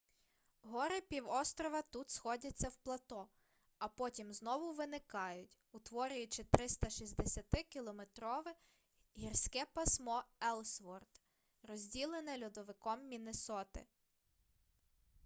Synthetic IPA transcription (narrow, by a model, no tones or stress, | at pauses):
ɦɔɾɪpʲiwɔst̪ɾɔʋɐt̪ut̪sxɔdʲɐt͡sʲːɐwplˠɐt̪ɔ | ɐpɔtʲimznɔʋʊʋɪnɪkɑjʊtʲ | ʊt̪ʋɔɾʲʊjʊt͡ʃɪt̪ɾɪst̪ɐʃizʲd̪esʲɐt̪ɪkʲilˠɔmet̪ɾɔʋɪ | ɦʲirsʲkɛpɐsmɔɛlˠsʋɔrt̪ | rɔzʲdʲilˠenɪlʲud̪ɔʋɪkɔmːʲinesɔt̪ɪ̰